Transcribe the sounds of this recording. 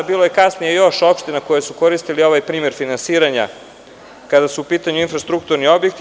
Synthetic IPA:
biːlˠo̞jekasnijejo̞ʃo̞pʃt̪inako̞jesuko̞ɾist̪ilio̞ʋajpɾiːme̞ɾfinansiːɾaɲa̰ | kad̪asuːpiːt̪aɲuinfɾast̪ɾukt̪uɾnio̞bje̞k̚t̪

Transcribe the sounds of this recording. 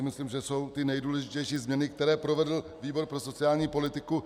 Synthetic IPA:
ɪmɪsliːmʒɛso̞wt̪ɪnɛjduːlɛʒɪcɛjʃiːzmɲɛnɪk̚t̪ɛɾɛːpɾo̞vɛdl̩viːbo̞ɾpɾo̞so̞t͡sɪaːlɲiːpo̞lɪt̪ɪku

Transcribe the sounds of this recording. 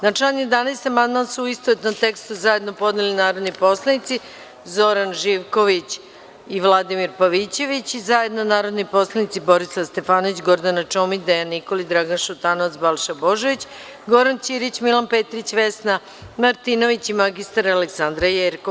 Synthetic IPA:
nat͡ʃaɲed̪anaest̪amand̪mansuist̪oet̪nomt̪e̞kst̪uzaje̞d̪nopo̞d̪nilinaːɾo̞d̪nipo̞slˠanit̪si | zo̞ɾanʒiʋko̞ʋit͡ɕ | iʋlˠad̪imiɾpaʋit͡ɕe̞ʋit͡ɕizaje̞d̪nanaːɾo̞d̪nipo̞slˠanit̪sibo̞ɾislast̪e̞faːnoʋit͡ɕɡo̞ɾd̪anat͡ʃomid̪ejanːiko̞lid̪ɾaɡanʃut̪anoʋat̪sbalˠʃabo̞ʒoʋit͡ɕ | ɡo̞ɾant͡ɕiɾit͡ɕmilˠanpet̪ɾit͡ɕʋesna | maɾt̪ino̞ʋit͡ɕimaɡist̪aɾaleksand̪ɾajeɾko

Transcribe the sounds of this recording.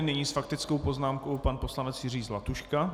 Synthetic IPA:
nɛɲiːsfakt̪ɪt͡skowpo̞znaːmko̞wpanpo̞slanɛt͡sjɪriːzlat̪uʃka

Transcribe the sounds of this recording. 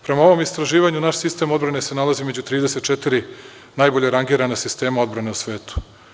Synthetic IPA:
pɾe̞mao̞ʋo̞mist̪ɾaʒiːʋaɲunaʃsist̪e̞mo̞d̪bɾanese̞nalaziimed͡ʑut̪ɾiːd̪ese̞t̪̚t͡ʃet̪iɾi | najboʎeɾaŋɡiːɾanesist̪e̞ːmaod̪bɾane̞usʋe̞ːt̪u̥

